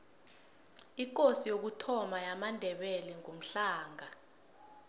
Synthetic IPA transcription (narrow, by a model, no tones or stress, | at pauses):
ik̬ʼosijok̬utʰɔmajamandʱɛɓɛlɛŋʱum̩ɬaːŋa